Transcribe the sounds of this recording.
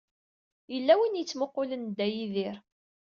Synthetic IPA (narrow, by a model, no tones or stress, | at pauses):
jəlːæwinjət͡sːmoqːʊlənd̪æjiðɪɾ